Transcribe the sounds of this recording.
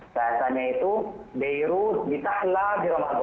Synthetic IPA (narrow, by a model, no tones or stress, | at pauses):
baasaɲait̪ubejɾudit̪ahladiɾamat̪ɔ